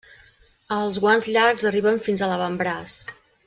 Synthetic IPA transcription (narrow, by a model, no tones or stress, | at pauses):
əlˠzɣwanzʎaɾɡzəriβəɱfinzələβəmbɾas